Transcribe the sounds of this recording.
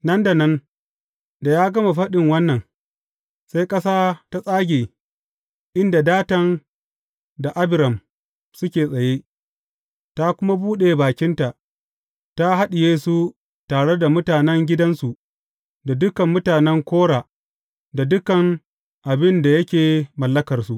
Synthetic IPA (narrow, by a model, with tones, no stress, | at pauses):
nɐ˦nda˨nɐ˦n | da˨jaː˦ɡɐ˦ma˨ɸɐ˦ɗɪ˨ŋwɐ˦nːɐ˨n | sa˦jkʼɐ˦saː˦ta˦sʼaː˦ɡʲeː˨ | ʔɪ˦nda˨daː˦tɐ˦n | da˨ʔa˦bɪ˨ɾɐ˨m | sʊ˦kʲeː˨sʼɐ˨je˦ | ta˦kʷʊ˦ma˦buː˦ɗe˨baː˨kʲɪ˦nta˨ʔ | ta˦ɦa˦ɗi˨jeː˦su˦ | taː˨ɽe˦da˨mʊ˦taː˨nɛ˦ŋɡʲɪ˦dɐ˦nsu˨ʔ | da˨dʊ˦kɐ˨mːʊ˦taː˨nɛ˦ŋkʷoː˦ɽaː˨ | da˨dʊ˦kɐ˨ŋ | ʔa˨bɪ˦nda˨jɐ˦kʲeː˨mɐ˨lːɐ˦kɐ˨rsu˨ʔ